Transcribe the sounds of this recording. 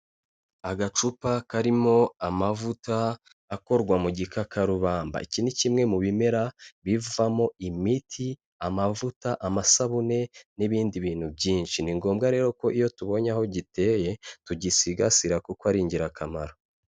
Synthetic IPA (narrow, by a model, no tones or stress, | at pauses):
aɡat͡ʃupakaɾimo̞amavutaː | ko̞ɾɡwamuɟikakʰaɾuβaːmba̰icinicimŋemuβime̞ɾaβivuvamo̞imitʰi | amavutaʔamasaβune̞niβiːndiβiːn̥hubɟiːnʃiniŋɡo̞ːmɡaɾe̞ːɾo̞ko̞ʔijo̞tuβo̞ɲaho̞ɟite̞je̞tuɟisiɡasiɾakukwaɾiːɲɟiɾakamaɾo